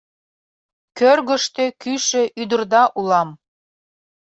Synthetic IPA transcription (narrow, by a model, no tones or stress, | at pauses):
kørɣə̆ʃt̪ekyʃĕʔyd̪ə̆rd̪ɑʔulɑm